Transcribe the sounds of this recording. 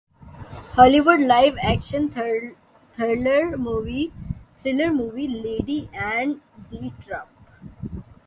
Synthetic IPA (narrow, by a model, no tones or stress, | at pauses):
hɔːliʋʊɖlaɪʋækʃə̃n | t̪ʰəɾləɾmuːʋit̪ʰɾɪnəɾmuːʋileːɖiʔæ̃ɳɖɖiːʈɾʌ̃mp